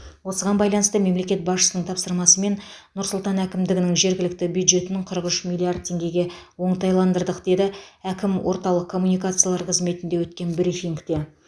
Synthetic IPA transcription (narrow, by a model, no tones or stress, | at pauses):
wo̞səʁɑnbɑjlˠɑnəst̪əme̞mle̞kʲe̞t̪̚bɑsʃə̥sənəɴt̪ʰɑpsəɾmɑsəme̞nnːʊɾsʊlˠt̪ɑnækʲɪmd̪ɪɡʲɪnɪŋʒe̞ɾɡʲɪlɪk̚t̪ɪbjud̪ʒe̞t̪ɪnɪɴqʰəɾəqʏʃmʲilʲːˠiaɾd̪̚t̪ʲʰːe̞ŋɡʲe̞ɡʲe̞wo̞ɴt̪ɑjlˠɑnd̪əɾd̪əqd̪e̞d̪ɪækʲɪmwʔo̞ɾt̪ɑlˠəq̚kʰːo̞mːunijkat̪sɨjalˠɑɾqʰəzme̞t̪ɪnd̪e̞wɵt̪kʲe̞nbɪɾifiŋkt̪e̞